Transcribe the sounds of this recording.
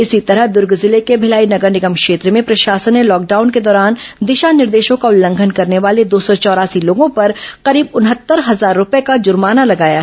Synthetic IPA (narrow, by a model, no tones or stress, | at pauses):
ɪsit̪ɐɾəɦd̪ʊɾɡzɪlekebʱɪlaːinɐɡəɾnɪɡəmkʃeːt̪ɾəmẽpɾɐʃaːsənːelɔːk̚ɖaːʊnked̪ɔːɾaːnd̪ɪʃanɪɾd̪eːʃõkaʊlːə̃ŋɡʱənkɐɾneʋaːled̪oːsɔt͡ʃɔːɾaːsiloːɡõpɐɾqɐɾiːbʊnɦət̪ːəɾɦɐzaːɾːʊpekad͡ʒʊɾmaːnalɐɡaːja̰ɦɛɛ